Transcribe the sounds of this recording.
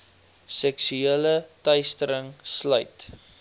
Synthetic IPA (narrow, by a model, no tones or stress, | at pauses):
sɛksyelətəjstəɾəŋslœɥt